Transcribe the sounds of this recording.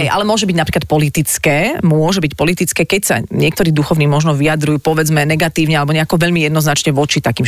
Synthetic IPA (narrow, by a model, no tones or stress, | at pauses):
ɛjʔa̰lɛmʊɔʒɛbiɟnapɾiklat̪̚pɔlit̪it͡skɛːmʊʊɔʒɛbicpɔlit̪it͡skɛːkɛcsa̰ɲɪɛkt̪ɔɾiːd̪uxɔʊniːmɔʒnɔʋiad̪ɾujuːpɔʋɛd͡zmɛnɛɡat̪iːʊɲɛalɛbɔɲɛakɔʋɛʎmijɛd̪nɔznat͡ʃɲɛʋɔt͡ʃit̪akiːm